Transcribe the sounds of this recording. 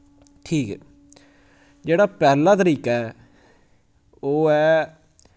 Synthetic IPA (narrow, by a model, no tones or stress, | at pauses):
ʈʰiːkɛ̰ː | d͡ʒeːɽaːpɛːlãːt̪əɾiːkaɛː | oːɛː